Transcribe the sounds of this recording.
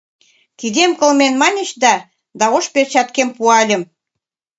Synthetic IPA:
k̪id̪emkɤlmenmɑnʲə̆ɕd̪ɑ | d̪ɑoʃpert͡ɕɑt̪kempuɑlʲə̆m

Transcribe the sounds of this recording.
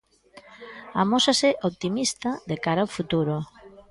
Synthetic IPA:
amosasɪʔoβt̪imist̪ɐðekaɾaofut̪uɾʊ

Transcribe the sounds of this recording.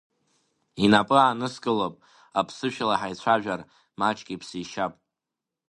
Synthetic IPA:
inapʼɨanɨskʼɨlopʼ | apʰsɨʃᶣalaħajt͡ɕʷʰaʒᶣar | mat͡ʃʼkʲʼipʰsiʃapʼ

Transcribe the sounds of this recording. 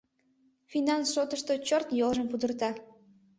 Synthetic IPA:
finɑnsʃot̪əʃt̪ot͡ɕort̪jolʒəmpud̪ərt̪ɑ

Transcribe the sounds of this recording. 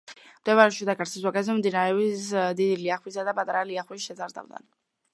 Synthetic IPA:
md̪̥ɛvaɾɛʃid̪aɡaɾsiswaɡɛzɛmd̪inaɾɛisd̪id̪iliaχwisad̪apʼat̪ʼaɾaliaχwisʃɛzaɾd̪a̰vd̪a̰n

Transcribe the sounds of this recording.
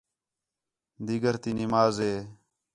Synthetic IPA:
d̪iːɡəɾt̪iːnɪmaːzɦeː

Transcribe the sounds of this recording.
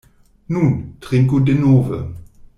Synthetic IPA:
nuːntʁ̥ɪŋkudenoːvə̰

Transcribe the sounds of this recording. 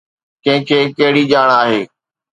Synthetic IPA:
kɐ̃ɦɪ̃kʰeːkɐɦɪɽiːʄaːɽaːɦeː

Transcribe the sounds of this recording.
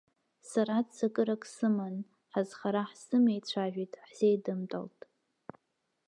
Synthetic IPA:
saɾadsakʼɨɾakʼsɨman | ħazχaɾaħsɨmejt͡ɕʷʰaʒᶣitʼħz̥ejdɨmtʼa̰ltʼ

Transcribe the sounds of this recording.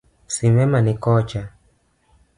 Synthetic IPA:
simɛmanikɔt͡ʃa

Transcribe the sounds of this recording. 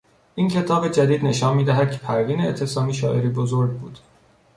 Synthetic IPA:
ʔiːncʰe̞t̪ʰɒːbed͡ʒæd̪iːd̪ne̞ʃɒːnmiːd̪æɦæd̪̥̚cʰe̞̥pʰæɾviːneːt̪ʰːesɒːmiːʃɒːʔe̞ɾiːbozoɾɟ̚bṵːd̪̥

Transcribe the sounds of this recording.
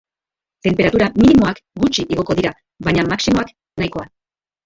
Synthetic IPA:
t̪e̞mpeɾat̪uɾaminimo̞akɡut͡ʃiʔiɣ̞o̞ko̞ðiɾa | βaɲamaksimo̞ak | najko̞a

